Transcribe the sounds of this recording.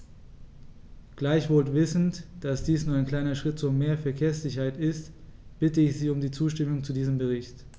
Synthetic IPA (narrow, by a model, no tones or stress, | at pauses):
ɡ̥laɪçv̥oːltv̥ɪsn̩td̥asd̥iːsnuɐaɪnkl̥aɪnɐʃʁ̥ɪtt͡sʊmeːɐfɛɐkʰeːɐsz̥ɪçɐhaɪtɪstb̥ɪtəɪçz̥iːʊmdiːt͡suːʃtɪmʊŋt͡sudiːzəmbəʁ̞ɪçt